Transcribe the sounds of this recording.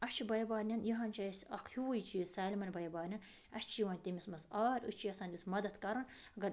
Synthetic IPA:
ɐt͡ʃʰibɐjɐbaːɾnʲɐnjɐɦɐnt͡ʃaːjsɐkʰhiwujit͡ʃisaːlʲmɐnʲbɐjɐbaːɾnʲɐn | ɐʃt͡ʃiʋɐnʲt̪ʲimʲismɐsaːɾʲṵt͡ʃʰiɐsaːnd̪ʲusmɐd̪ɐd̪kɐɾɐnɐɡɐɾ

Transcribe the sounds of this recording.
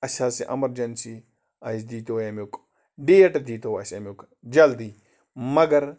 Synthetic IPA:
ɐsaːsiʔɐ̰mɐɾd͡ʒɐnsi | ɐsd̪iːt̪ojɐmok | ɖijɐʈd̪iːt̪oʋaːsʲɐmuk | d͡ʒɐld̪iː | mɐɡɐɾ

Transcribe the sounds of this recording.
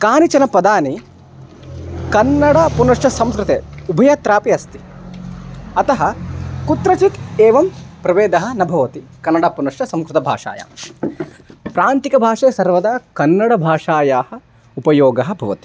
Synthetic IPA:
kaːnit͡ʃɐnɐpɐd̪aːni | kɐnːɐɽɐpunɐʂʈɐsɐmskɾɪt̪ḛːubʱɐjɐt̪ɾaːpiɐst̪i̥ | ɐt̪ɐɦɐkut̪ɾɐt͡ʃit̪eːʋɐmpɾɐʋeːd̪ɐɦɐ̆nɐbʱɐʋɐt̪ikɐnːɐɽɐpunɐʂʈɐsɐmskɾɪt̪ɐbʱa̰ːʂa̰ːja̰m | pɾaːnt̪ikɐbʱaːʂɐːsɐɾʋɐd̪ɐkɐnːɐɽɐbʱaːʂaːjaːhɐ̆ | upɐjoːɡɐɦɐ̆bʱɐʋɐt̪i

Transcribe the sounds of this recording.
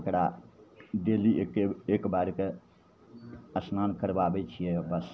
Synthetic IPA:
kɽa | d̪elikeekbaɾke | əsnankəɾbabɛt͡ʃʰijebəs

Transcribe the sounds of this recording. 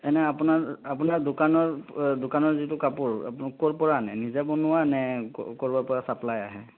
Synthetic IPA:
ɛnɛapʊnaɹap̬unaɹdʊkanɔɹdʊkanɔɹzitʊkapuɹa̰kɔɹpɔɹanɛnizɛbɔnʊwanɛkɔɹbɔɹpɔɹasaplaja̰ɦɛ

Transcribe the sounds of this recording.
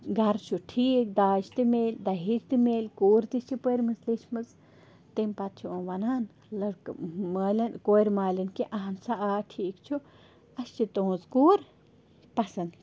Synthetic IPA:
ɡɐɾt͡ʃʰuʈʰiːk̚d̪aːt͡ʃt̪ɨmeːlʲd̪ɐɦit͡ʃt̪ɨmeːlʲkuːɾt̪ist͡ʃʰipəɾmɨzliʃmɨz | t̪empat̪̚t͡ʃʰuõʋɐnaːn | lɐɾkmalʲɐnkoɾmaːlɐnkiʔaɦɐnsaʔaːʈʰiːkt͡ʃʰu | ɐʃt͡ʃit̪õːzkuːɾ | pɐsɨn

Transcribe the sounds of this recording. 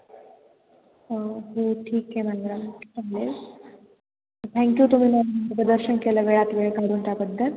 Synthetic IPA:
ɦoʈʰiːkɦemãnɡɾamaŋle | t̪ʰɛ̃ŋkjut̪um̤iːməpəd̪əɾɕənkeləʋeɭat̪ʋeɭkaɾunt̪jabəd̪ʱːəl

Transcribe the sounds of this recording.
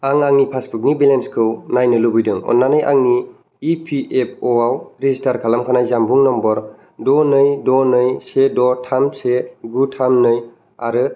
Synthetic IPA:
aŋaŋnipʰasbuk̚nibelenskʰɯwnajnɯlubɯjdɯŋɔ̰nːanɯjʔa̰ŋniː | pʰiʔep̚ʰoawɾezistaɾkʰalamkʰanajzambuŋnɔmbɔɾ | dɔnɯjdɔnɯjsedɔtʰamseɡutʰamnɯj | aɾɯ

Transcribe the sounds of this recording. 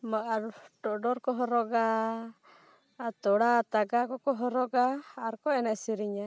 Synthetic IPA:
maʔaɾɖɔɖɔɾkɔɦɔɾɔɡa | at̪ɔɽat̪aɡakɔkɔɦɔɾɔɡaːɾkɔɛnɛsiɾiɲa

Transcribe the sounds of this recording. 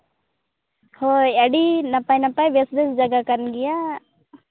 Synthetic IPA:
hɔjaɖinapajnapajbɛsd̪ɛsd͡ʒaɡakəɾnɡɛja

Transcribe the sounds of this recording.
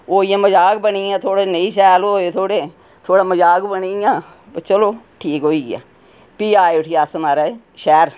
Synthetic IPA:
oːijãːməd͡ʒaːk̚bəniãːt̪ʰoːɽenəĩːʃɛːloːet̪ʰoːɽeː | t̪ʰoːɽaːməd͡ʒaːɡbəniãː | pːt͡ʃəloː | ʈʰiːkɦoːiːa̰ː | piːaːeʊʈʰijaːsmaːɾaː | ʃɛːɾ

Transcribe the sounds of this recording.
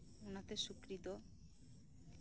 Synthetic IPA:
unat̪eʃukɾid̪o

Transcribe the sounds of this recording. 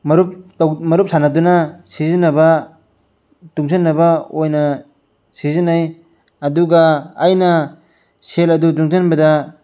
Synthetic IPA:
mɐɾup̚tmɐɾup̚sanɐdunɐsizinːɐbɐ | tuŋsenːɐbɐojnɐ | sizinaj | ɐduɡɐːjnɐ | selɐdutuŋzɐnbɐdɐ

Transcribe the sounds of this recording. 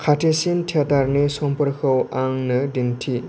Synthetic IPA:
kʰatʰesintʰataɾnesɔmpɔɾkʰɯwaŋnɯdintʰi

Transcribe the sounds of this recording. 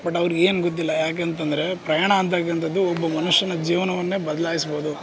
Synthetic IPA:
bɐʈɐʋɐɾueːnɡot̪̬ːilːɐjaːk̬eːnt̪̬ɐnd̪ɐɾe̞pɾɐjaːɳɐːnt̪ɐk̬ːɐnt̪ʰɐd̪ːuɔbːɐmɐnuʂjɐnɐd͡ʒiːʋɐnɐʋɐnːe̞ːbɐd̪ɐlaːjisboːd̪u

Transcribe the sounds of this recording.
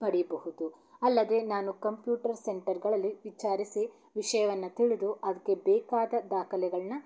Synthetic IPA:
mɐɽibɐɦud̪u | ɐlːɐd̪e̞naːnukɐmpjuːʈɐɾseɳʈɐɾɡɐɭɐlːiʋit͡ʃaːɾisi | ʋiʂɐjɐʋɐnːɐt̪iɭid̪uʔɐd̪ɐkːe̞bɛːkaːd̪ɐd̪aːkʰɐlɛɡɐɭɐnɐ

